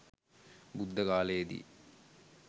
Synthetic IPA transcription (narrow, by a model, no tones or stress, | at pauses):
bud̪ʱːɐkaːlɐjed̪ḭ